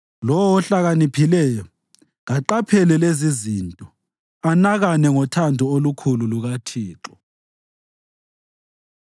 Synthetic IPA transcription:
lɔwɔɔɬaɣanipʰilɛjɔ | ɣaǃapʰɛlɛlezizintʼɔ | anaɣanɛŋɔtʰandʱɔolukʰululuɣatʰiːǁɔ

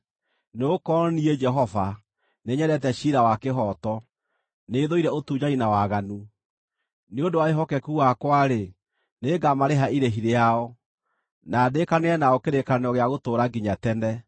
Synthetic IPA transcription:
neokɔniɛd͡ʒɛɦɔva | neɲɛɾɛt̬ɛɕiɾawakeɦɔtɔ | neːðoiɾɛotuːɲainawaɣanu | neondowaeɦɔkɛkuɣakwaɾe | neːɡamaɾeɦaiɾeɦiɾeaɔ | nadekaneɛnaɔkeɾekanɔɣeaɣotoːɾaɡiɲatɛnɛ

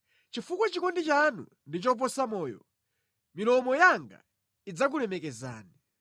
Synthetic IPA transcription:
t͡ʃifukwɔt͡ʃikɔndit͡ʃanṵ | ndit͡ʃɔp̬ɔsamɔːjɔ̰ | milɔmɔjaŋɡa̰ | id͡zak̬ulɛmɛkɛza̰ːni

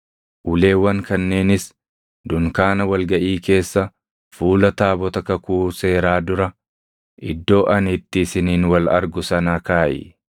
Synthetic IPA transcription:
ʔʊle̞ːwːɐŋkɐnːe̞ːnɪs | d̪ʊŋkaːnɐwɐlɡɐʔiːke̞ːsːɐ | fuːlɐt̪aːbɔt̪ɐkɐkuːse̞ːɾaːd̪ʊɾɐ | ʔɪd̪ːo̞ːʔɐnɪt̪ːɪsɪniːnwɐlɐ̰ɾɡʊsɐnaːkaːʔɪ̰

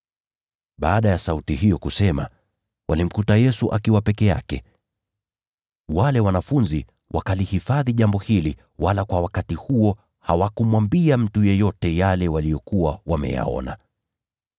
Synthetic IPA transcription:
ɓaːɗajasautihijɔkusɛma̰ | wʔalim̩kutajɛsuʔakiwapɛkɛja̰kɛ̰ | walɛwanafunzi | wʔa̰kalihifaðiʄambɔhili | walakwawakatihuɔ | ha̰wakumwambiam̩tujɛjɔtɛjalɛwalijɔkuwawamɛ̰ja̰ɔ̰na̰

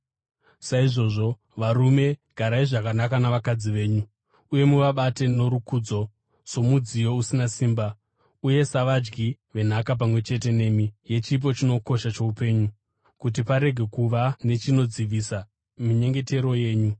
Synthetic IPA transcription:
saiʐo̞ʐo̞ | ʋaɾume̞ɡ̥ʱaɾaiʐakanakanaʋakad͡ziʋe̞ːɲu | uje̞muʋaɓate̞no̞ɾukuːd͡zo̞ | so̞mud͡zijo̞usinasiːmba | uje̞saʋad͡ʒɡi | ʋe̞n̤akap̬amwe̞t͡ʃe̞t̬e̞ne̞ːmije̞t͡ʃip̬o̞t͡ʃino̞ko̞ʃat͡ʃo̞upe̞ɲu | kut̬ipaɾe̞ɡʱe̞kuʋane̞t͡ʃino̞d͡ziʋisa | miɲe̞ŋɡe̞te̞ɾo̞je̞ːɲu

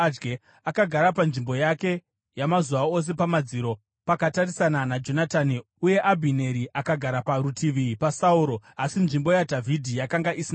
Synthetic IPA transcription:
d͡ʒɡe | akaɡʱaɾapanʐimbo̞jake̞ | jamazuʋao̞s̬e̞pamad͡ziːɾo̞ | pakatarisananad͡ʒo̞natani | uje̞ʔabʱine̞ɾiʔakaɡʱaɾapaɾutʰiʋipasauːɾo̞asinʐimbo̞jadʱavʱidʱijakaŋɡaʔisina

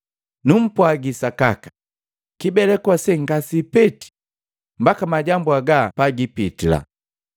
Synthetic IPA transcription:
num̩pwaɡisakakḁ | kibɛlɛkwasɛŋɡasipɛti̥ | m̩bakamaɟambuaɡapaɡipitila̰

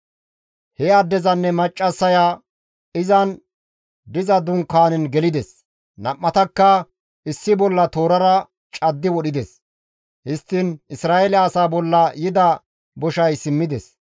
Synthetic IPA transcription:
hɛɐd̪ːɛzɐnːɛmɐt͡ʃʼːɐsːɐjaː | ɪzɐn | d̪ɪzɐd̪ʊŋkːaːnɛnɡɛlɪd̪ɛs | nɐʔːɐt̪ɐkːɐ | ʔɪsːɪbɔlːɐt̪o̞ːɾɐɾɐ | t͡ʃʼɐd̪ːɪwɔɗɪd̪ɛs | hɪst̪ːɪnʔɪsɾaːɛlɛːsaːbɔlːɐjɪd̪ɐ | bɔʃɐjsɪmːɪd̪ɛs

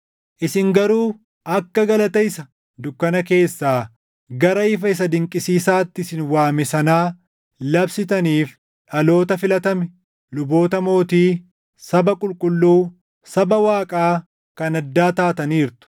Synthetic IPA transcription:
ʔɪsɪŋɡɐɾuː | ɐkːɐɡɐlɐt̪ɐjɪsɐ | d̪ʊkːɐnɐke̞ːsːaː | ɡɐɾɐɪfɐɪs̬ɐd̪ɪŋkʼɪsiːsaːt̪ːɪsɪnwaːmɛsɐnaː | lɐbsɪt̪ɐniːf | ᶑɐlo̞ːt̪ɐfɪlɐt̪ɐmɛ | lʊbo̞ːt̪ɐmo̞ːt̪iː | sɐbɐkʼʊlkʼʊlːuː | sɐbɐwaːkʼaː | kɐnɐd̪ːaːt̪aːt̪ɐniːɾt̪ʊ̥

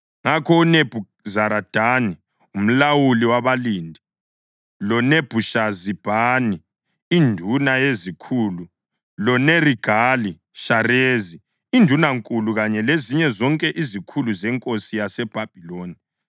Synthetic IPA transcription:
ŋakʰɔuneb̥ʱu | zaɾad̥ʱani | um̩lawuliwaβaliːndʱi | lɔneb̥ʱuʃazib̥ʱaːni | indʱunajezikʰuːlu | lɔneriɡ̥ʱaːli | ʃarezi | indʱunaŋkʼuluɣaɲɛleziɲɛzɔŋkʼɛʔizikʰuluzɛŋkʼosijasɛb̥ʱab̥ʱiloːni

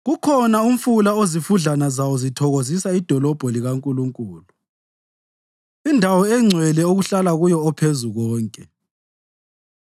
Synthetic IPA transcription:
ɣukʰɔnauɱ̩fulaozifuɮanazawɔzitʰɔɣozisaid̥ʱɔlɔb̥ʱɔliɣaŋkʼuluŋkʼuːlu | indʱawɔɛŋ͡ǀʱwɛlɛoɣuɬalaɣujɔɔpʰezuɣɔːŋkʼɛ

